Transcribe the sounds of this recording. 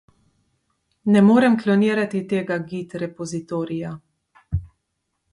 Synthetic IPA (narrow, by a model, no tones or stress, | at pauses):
nɛmoːɾɛmklɔniːɾat̪it̪eːɡaɡit̪ɾɛpɔzit̪oːɾija